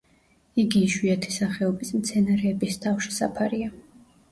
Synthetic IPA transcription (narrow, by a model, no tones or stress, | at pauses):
iɡiːʃwiat̪ʰi̥saχɛɔbismt̪sʰɛnaɾɛːbist̪ʰafʃi̥sa̰pʰaɾia